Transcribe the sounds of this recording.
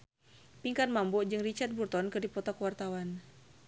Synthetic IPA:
piŋkanmambɔd͡ʒɨŋrit͡ʃard̪̚burt̪ɔnkɨrdipɔt̪akəwart̪awan

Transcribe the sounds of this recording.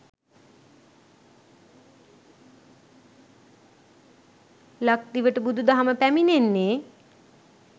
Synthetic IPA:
lak̚t̪iʋəʈəbud̪ʱud̪aɦaməpæminenːe

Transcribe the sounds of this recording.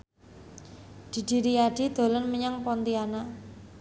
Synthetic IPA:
d̪̥i̤d̪̥i̤ɾiaɖ̥i̤d̪̥o̤lənməɲaŋpɔnt̪iana

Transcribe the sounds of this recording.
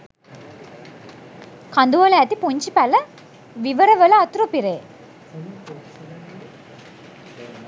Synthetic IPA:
kɐnd̪uʋɐlaːt̪ːipuɲd͡ʒipɐlɐ | ʋiʋɐɾɐʋɐlɐɐt̪uɾopiɾeː

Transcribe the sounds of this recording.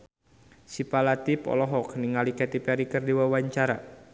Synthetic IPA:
sipalat̪ipɔ̰lɔɦɔkniŋalikɛt̪ipɛɾikərdiwawaɲt͡ʃaɾa

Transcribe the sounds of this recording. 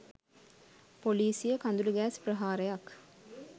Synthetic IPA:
poliːsijəkand̪uluɡæːspɾəɦaːɾəjak

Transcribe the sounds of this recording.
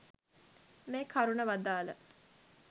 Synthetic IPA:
meːkʰaɾunəʋad̪aːlə̰

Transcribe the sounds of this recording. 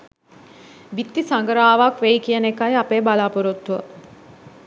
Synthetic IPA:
ʋit̪ːisaŋɡəɾaːʋakʋejkijənekajapeːbalaːpuɾut̪ːuʋə̰

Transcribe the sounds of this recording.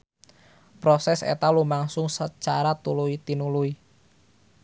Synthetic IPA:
pɾɔsɛsḛt̪alumaŋsʊŋsət͡ʃaɾat̪uluit̪inului

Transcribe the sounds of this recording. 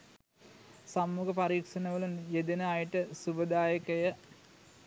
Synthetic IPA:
samːuɡəpaɾiːkʂɐnəʋəlunjed̪enəajəʈəsubəd̪aːjəkəjə

